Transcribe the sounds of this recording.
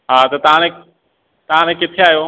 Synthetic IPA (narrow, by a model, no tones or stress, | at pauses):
ɦaːt̪ɐt̪ɐɦãnẽ | t̪ɐɦãnẽkɪt̪ʰeaːɦjoː